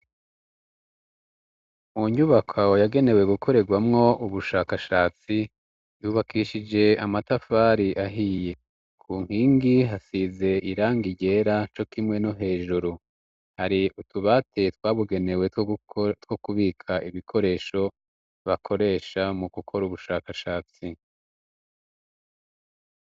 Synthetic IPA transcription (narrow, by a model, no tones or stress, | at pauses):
muɲuβakʰawojaɡe̞ne̞we̞ɡukʰo̞ɾe̞ɡwamŋo̞uβuʃaːkaʃaːt͡si | juːβakiʃid͡ʒe̞amatafaːɾiʔaɦije̞ | kʰuːŋ̥hiːŋɡiɦasize̞iɾaːŋɡiɟe̞ɾat͡ʃo̞kimŋe̞no̞ɦe̞ːʒuɾu | haɾiutuβatʰe̞twaːβuɡe̞ne̞we̞twokuβiːkʰaʔiβikʰo̞ɾe̞ːʃo̞ | βakʰo̞ɾe̞ːʃamuɡukʰo̞ɾuβuʃaːkaʃaːt͡si